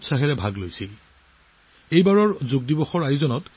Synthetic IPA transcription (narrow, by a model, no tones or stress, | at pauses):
tsaɦɛɹɛbʱaɡlojsil | ejbaɹɔɹzuɡ̚dibɔxɔɹajzɔnɔt